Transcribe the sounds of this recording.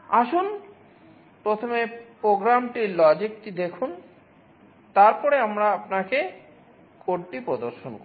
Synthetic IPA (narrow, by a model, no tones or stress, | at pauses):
aʃun | pɾot̪ʰomepɾoɡɾamʈiɾlɔd͡ʑik̚ʈid̪ekʰun | t̪aɾpɔɾeamɾaapnake | koɽʈipɾod̪oɾʃonko